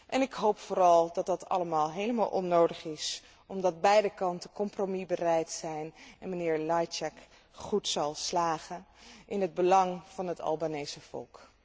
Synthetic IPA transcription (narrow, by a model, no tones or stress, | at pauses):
ʔɛnɪkɦowpfʊːɾɑlˠdɑt̚dɑtɑ̰ləmaːlˠɦejləma̰ːlˠʔɔ̰nowdəχɪs | ɔmdɑd̚bɛjdəkɑntəkɔmpromibərɛjtsɛjnɛnmənɪːɹlɑjt͡ʃɛk | χutsɑlˠslaːχənʔɪnɦəd̚bəlɑŋv̥ɑnɦətɑ̰lˠbaːnejsəv̥ɔ̰lˠk